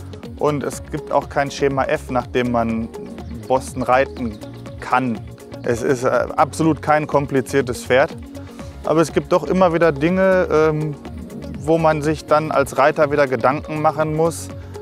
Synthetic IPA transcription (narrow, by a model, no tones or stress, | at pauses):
ʔʊntɛsɡ̥iːp̚tʰa̰ʊxkʰaɪnʃeːmaʔɛfnaːχd̥eːmːan | bɔstn̩ʁaɪtn̩ | kʰan | ʔɛsɪ̰stʔa̰pz̥oluːtkʰaɪnkʰɔmplit͡siːɐtəsfeːɐt | ʔa̰ːbɐɛsɡ̥iːp̚t̚d̥ɔχʔɪmɐviːdɐdɪŋəʔɛːm | voːmanzɪçd̥anʔa̰lsʁaɪtɐviːdɐɡədaŋkŋ̩maχənmʊs